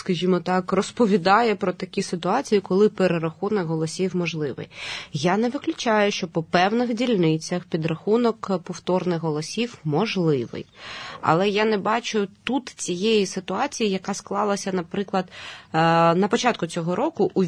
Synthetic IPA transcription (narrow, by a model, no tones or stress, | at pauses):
skɐʒʲimɔt̪ɑkrɔspɔʋʲid̪ɑjɛpɾɔt̪ɐkʲisɪt̪ʊɑt͡sʲijikɔlˠɪpeɾeɾɐxunɔkɦɔlˠɔsʲiwmɔʒlˠɪʋɪ̰jjanɛʋɪklʲʊt͡ʃajʊʃt͡ʃɔpɔpɛwnɪxdʲilʲnɪt͡sʲːɐxpʲid̪rɐxunɔkpɔwt̪ɔrnɪxɦɔlˠɔsʲiwmɔʒlˠɪʋɪ̰jɐ̰lˠɛjanɛbɑt͡ʃʊt̪ut̪t͡sʲijejisɪt̪ʊɑt͡sʲijijɐkɑsklˠɑlˠɐsʲɐnɐpɾɪklˠɐd̪ | nɐpɔt͡ʃɑt̪kʊt͡sʲɔɦɔɾʔɔkʊʔu